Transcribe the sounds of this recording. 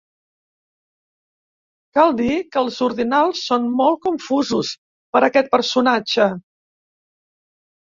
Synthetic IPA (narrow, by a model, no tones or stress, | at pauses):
kalˠd̪ikəːlˠzuɾðinalˠsːonmɔlˠt̪̚kuɱfuzus | pəɾəkɛt̪̚pəɾsunad͡ʒə